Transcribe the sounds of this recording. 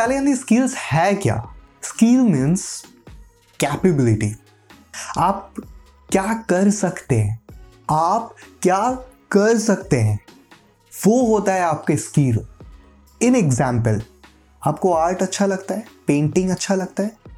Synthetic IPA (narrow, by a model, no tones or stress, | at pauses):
aleɐ̃nd̪iskiːlzhɛkja̰ː | skiːlmĩːns | kɛːpɪbɪlɪʈḭː | aːp̚ | kjaːkɐɾsɐkt̪eɦɛ̃ | aːp̚kjaːkɐɾsɐk̚t̪eɦɛ̃ː | ʋoɦoːt̪aɦɛaːp̚keskiːl | ɪneɡzɛ̃ːmpəl | aːp̚koaːɾʈɐtːʃʰalɐɡt̪aɦɛːpẽːɳʈɪ̃ŋɡɐtːʃʰalɐɡ̚t̪aɦɛː